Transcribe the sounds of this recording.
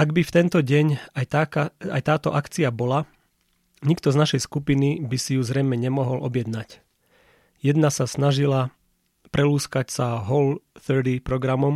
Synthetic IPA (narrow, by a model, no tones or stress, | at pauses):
ʔaɡbift̪ɛnt̪ɔɟɛɲajt̪akaa̰jt̪aːt̪ɔʔakt͡siabɔla | ɲikt̪ɔznaʃɛjskupinibisijuzɾɛjmɛɲɛmɔɦɔlʔɔbjɛd̪nac | jɛd̪nasasnaʒila | pɾɛluːskacsaɦɔlθɛɾd̪ipɾɔɡɾamɔm